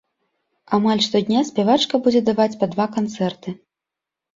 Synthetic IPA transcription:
amalʲʂt̪ɔd̪ʲnʲasʲpʲɛvat͡ʂkɐbud͡zʲɛd̪avat͡sʲpad̪vakant̪sɛrt̪ɨ

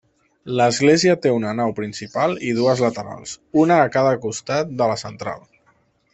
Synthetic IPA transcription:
ləzɣleziət̪eunənawpɾinsipaliðuəzlət̪əɾa̰lˠsunəːkaðəkust̪at̪̚d̪ələsənt̪ɾa̰lˠ

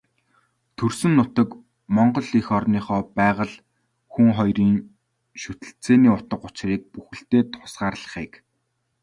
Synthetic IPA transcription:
t̪ʰɵrsɘ̆nːʊt̪ə̆k | mɔɴɢɞ̆ɮixɔrniːχɔːpæːʁə̆ɮ | xuŋχɔjriːŋ | ʃut̪ɘ̆ɬt͡seːniːʊt̪ə̆qʊt͡ɕriːk̚puxɘ̆ɬt̪eːt̪ʰʊ̥sɢaːrɮə̆χiːk

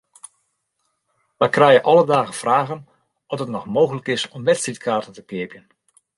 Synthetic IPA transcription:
ʋɛjkrɛjəʔɑlədaːɣəfraːɣən | ɔtətnɔxmoːɣələkɪsɔmʋɛtstritkʰaːrtəntəkɪəpjən

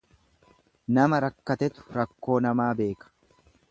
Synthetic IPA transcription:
nɐmɐɾɐkːɐt̪ɛt̪ʊ̥ɾɐkːo̞ːnɐmaːbe̞ːkɐ̥

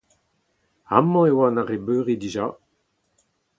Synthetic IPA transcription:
a̰mɑ̃ewanaʁebøːʁidiʒa

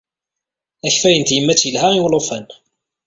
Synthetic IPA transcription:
æçfæjənt̪jəmːæt͡sːjəlhæʁiwlofæn

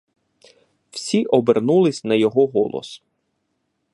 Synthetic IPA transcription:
wsʲiʔɔbernulˠɪsʲnɐjɔɦɔɦɔlˠɔ̰s

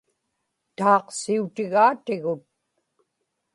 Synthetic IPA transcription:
t̪ɑːqsiut̪ɪɣaːt̪ɪɣʊt̪̚

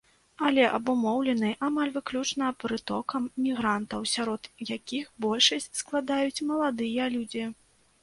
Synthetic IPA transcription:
ɐlʲɛʔɐbumɔwlʲɛnɨjʔamalʲvɨklʲut͡ʂnɐpɾɨt̪ɔkɐmmʲiɣɾant̪ɐwsʲaɾɔd̪jakʲixbɔlʲʂɐsʲt͡sʲsklˠad̪ajut͡sʲmɐlˠad̪ɨjɐlʲud͡zʲi

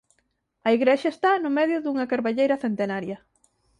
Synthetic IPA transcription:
ɐiɣɾeʃɐest̪anʊmeðjʊðuŋɐkaɾβaʎejɾɐθent̪enaɾjɐ

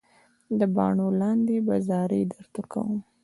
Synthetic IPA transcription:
d̪əbɑ̰ɳolɑnd̪ebazɑɾḛd̪əɾt̪akʰa̰wum

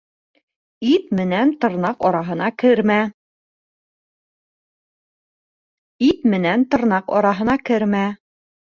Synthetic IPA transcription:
it̪mɘ̆nænt̪ɤ̆ɾnɑqɒɾɑɦɤ̆nɑkɘɾmæ | it̪mɘ̆nænt̪ɤ̆ɾnɑqɒ̰ɾɑɦɤ̆nɑkɘɾmæ

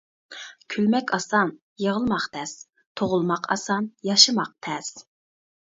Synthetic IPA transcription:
kʲʰylmɛkʲʰɑsɑn | jəʁəlˠmɑqt̪ʰɛs | t̪ʰoʁʊlˠmɑqʰɑ̰sɑnjɑʃɨmɑq̚t̪ʰɛs

